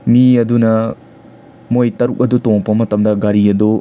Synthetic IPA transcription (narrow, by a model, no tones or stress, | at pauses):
miɐdunɐ | mojtɐɾuk̚ɐdutoŋpɐmɐtɐmdɐɡɐɾiɐdu